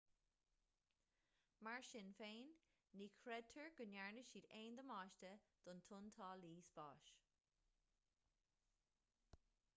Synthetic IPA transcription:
maɹʃɪnfeːnː | iːkʰɹɛd̚t̪ʰəɹɡ̥ənjaɹnəʃiːdeːnd̪əmɑːʃt̪əd̪̥ʊnt̪ʰʊnt̪ʰɑːliːsb̥ɑːʃ

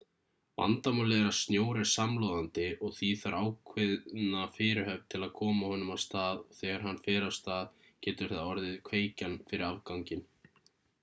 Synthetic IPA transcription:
va̰nt̪amalɛːɣɾḁst̪njoːwɾɛ̥samlowðant̪ɪɔɣθiθvaɾʔaːwkʰvɪðnafɪːɾɪɾhœvt̪ʰɪlaðkʰɔːmahɔnʏmawst̪aːðθɛːɣaɾ̥hanːfɛːɾawst̪aːð | cɛːt̪ʏɾ̥hɛt̪ːaɔɾðɪðkʰveːjcanfɪɾɪɾavkawŋcɪn

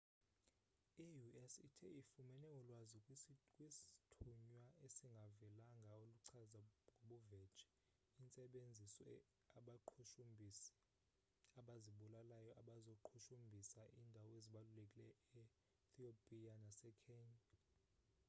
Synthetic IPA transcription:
ijuɛsitʰɛ̰ifumɛnɛwɔlwazikʼwistʰuɲwaʔesiŋɡʱavɛlaŋɡʱaoluǀʰazaŋɡʱoɓɔvɛ̥t͡ʃʼɛ̥ | int͡sʼɛɓend͡zʱisɔ | aɓaǃʰuʃubʱ | aɓaziɓulalajɔʔaɓazoǃʰuʃumbʱisaʔiːndʱawɔeziɓalulekʼilɛɛ | t̪ʰiopʼianasɛkʰeːɲa

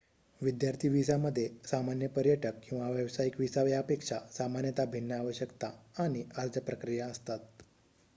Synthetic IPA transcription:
ʋid̪jaɾt̪ʰiʋisaməd̪ʱːjesamanjəpəɾjəʈəkːĩw̃ʋaʋjəʋsajikʋisaʋjaəpekʂasamanjət̪abʱinːəaʋəɕəkt̪aaɽ̃iaɾd͡zəpɾəkɾijaəst̪at̪̚

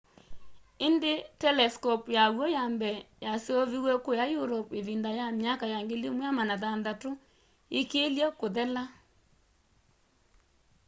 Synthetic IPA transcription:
endetɛlɛskɔpjaɣwɔjambɛjaseoβiwɛkojajuɾɔpeðindajamjakajaŋɡelimwamanaðanðato | ekeːljɛkoðɛla

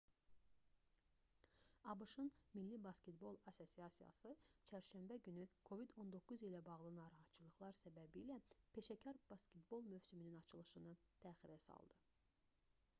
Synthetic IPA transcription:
ɑbɯʃɯnmilːibɑscʲet̪bo̞lˠɑso̞sijɑsijɑ̰sɯt͡ʃʰæɾʃæmbæɟynykʰo̞vid̪o̞nd̪o̞kʰːuzilæbɑɣlˠɯnɑːɾɑɦɑt̪t͡ʃʰːɯlˠɯχlˠɑɾsæbæbilæpʰe̞ʃæcʰɑɾb̥ɑscet̪bo̞lˠmøfsyminynɑt͡ʃʰɯlˠɯʃɯnɯt̪ʰæːχiɾæsɑ̰lˠd̪̥ɯ

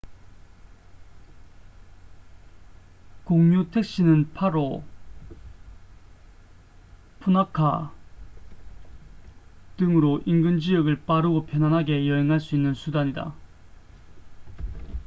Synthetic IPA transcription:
koŋɲutʰe̞k̚ɕ͈inɯnpʰaɾo | pʰunakʰa | tɯŋɯɾoʔinɡɯnd͡ʑijʌɡɯɭp͈aɾɯɡopʰjʌnɦwanɦaɡe̞jʌɦeŋɦaɭs͈uinːɯnsʰudaɲida̰

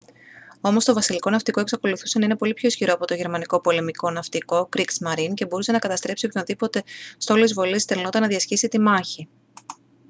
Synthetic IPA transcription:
o̞mo̞st̪o̞vɐsiliko̞nɐft̪ikoe̞ksɐko̞luθuse̞nɐinepo̞lipço̞sçiɾo̞ɐpo̞t̪o̞ʝe̞ɾmɐniko̞po̞le̞miko̞nɐft̪iko̞kɾiksmɐɾince̞bo̞ɾuse̞nɐkɐt̪ɐst̪ɾe̞psio̞pçoðipo̞t̪e̞st̪o̞lizvo̞list̪elno̞t̪ɐnɐðiɐscisit̪imɐçi

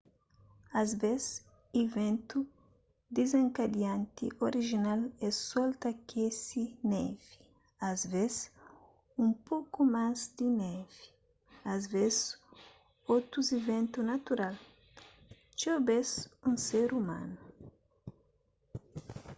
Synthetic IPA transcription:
azvez | ivẽnt̪u | d̪ezẽŋkad̪jãnt̪ḭʔoɾiʒinalɛsɔlt̪ɐkʰesinɛvi̥ | azvez | ũmpokumazd̪inɛvi̥ | azvez | ot̪ɾuzivẽnt̪unat̪uɾal | t͡ʃobesũseɾumã̰nu

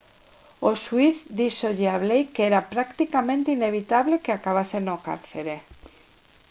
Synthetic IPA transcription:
oswiθd̪isoʝeaβlejkeeɾapɾakt̪ikamẽ̞nt̪eine̞β̞it̪aβle̞keakaβ̞asenoka̰ɾθe̞ɾe̞

